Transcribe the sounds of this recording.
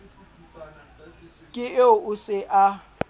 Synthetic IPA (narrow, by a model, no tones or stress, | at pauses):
kʼɪeʊʔʊsɪʔa